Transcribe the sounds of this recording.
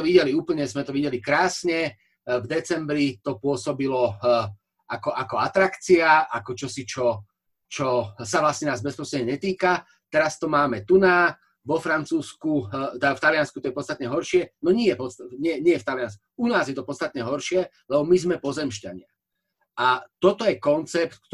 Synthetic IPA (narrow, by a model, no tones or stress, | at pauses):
ɛɔʋiɟɛliuːpl̩ɲɛzmɛt̪ɔʋiɟɛlikɾaːsɲɛ | vd̪ɛt͡sɛmbɾit̪ɔpʊɔsɔbilɔ | akɔʔakɔat̪ɾakt͡siaakɔt͡ʃɔsit͡ʃɔ | t͡ʃɔsaʋlast̪ɲɛnaːzbɛspɾɔsɾɛɲɛɲɛt̪iːka | t̪ɛɾast̪ɔmaːmɛt̪unaː | ʋɔfɾant͡suːskut̪aft̪alɪanskut̪ɔjɛpɔtt͡st̪at̪ɲɛɦɔɾʃɪɛnɔɲɪɛjɛpɔst̪ɲɛɲɪɛjɛft̪alɪanskuuunaːzjɛt̪ɔpɔtt͡sst̪at̪ɲɛɦɔɾʃɪɛ | lɛbɔmizmɛpɔzɛmʃcaɲɪa̰ | ʔat̪ɔt̪ɔjɛkɔnt͡sɛp̚t̪k